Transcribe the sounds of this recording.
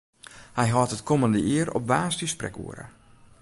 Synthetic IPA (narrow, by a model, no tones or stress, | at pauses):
hɛjɦɔtətkʰoməndəʔiərɔ̰p̚ʋaːstisprɛ̰kṵəɾə̰